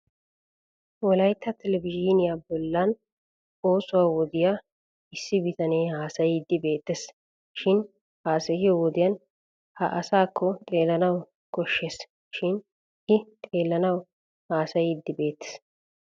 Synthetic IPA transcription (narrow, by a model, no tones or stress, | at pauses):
wɔlɐjt̪ʰːɐt̪ʰɛlɛvɪd͡ʒiːnɪjabɔlːɐn | o̞ːsʊwaːwɔd̪ɪja | ɪsːɪbɪt̪ɐneːhaːsɐjɪd̪ːɪbe̞ːt̪ːes | ʃɪn | haːsɐjɪjɔwɔd̪ɪjɐn | hɐʔɐsaːkʰːɔt̪ʼe̞ːlːɐnɐw | kɔʃːeːs | ʃɪn | ʔɪt̪ʼe̞ːlːɐnɐw | haːsɐjɪd̪ːɪbe̞ːt̪ːe̥s